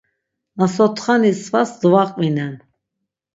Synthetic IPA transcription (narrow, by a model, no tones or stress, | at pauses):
asɔt̪ʰχanisvasd̪vaqʼvinɛn